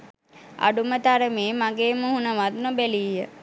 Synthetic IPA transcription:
a̰ɖumət̪aɾəmeːmaɡeːməhunəʋad̪nobæliːjə

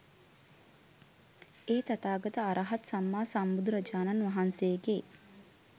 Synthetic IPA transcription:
eːt̪at̪aːɡɐt̪əaɾʔaɦat̪samːaːsambud̪uɾəd͡ʒaːnanʋɐɦansejɡe

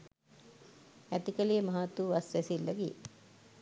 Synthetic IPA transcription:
æt̪ikəlijəmɐɦat̪ːuʋasʋæsilːəɡi

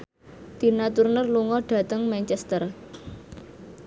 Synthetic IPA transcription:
d̪̥i̤nat̪urnərluŋɔɖ̥ä̤t̪əŋmɛnt͡ʃɛst̪ər

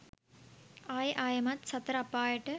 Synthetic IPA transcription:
aːjʔaːjɐmɐt̪sɐt̪ːɾɐpːaːjɐʈːɨ

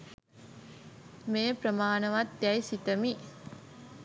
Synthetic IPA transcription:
meːpɾəmaːnəʋat̪ːæjsit̪əmi

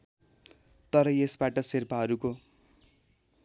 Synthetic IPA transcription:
t̪ʌɾʌjesbaʈʌserpʰaɦʌɾuko

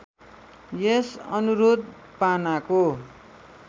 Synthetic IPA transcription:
jesʌ̰nuɾod̪̚ | panako

